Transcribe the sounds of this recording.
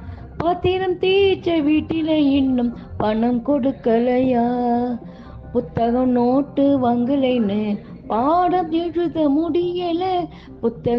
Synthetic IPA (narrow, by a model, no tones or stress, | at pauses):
pɐt̪ːɪɾɐmt̪iːt͡ʃːɐʋiːʈːɪlɐɪɳːɯm | pɐɳɐmkɔɽɯkːɐlɐjaː | pʊt̪ːɐɣɐmnoːʈːɯʋɐŋɡɯɻɐɪnɯ | paːɽɐmɛɻɯðɐmʊɽɪjɐlɐ | pʊt̪ːɐ